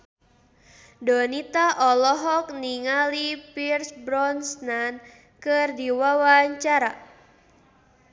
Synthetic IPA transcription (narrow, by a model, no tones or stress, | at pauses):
dɔnit̪aʔɔlɔɦɔk̚niŋalipirsbɾɔnsnan | kɨrdiwawaɲt͡ʃaɾa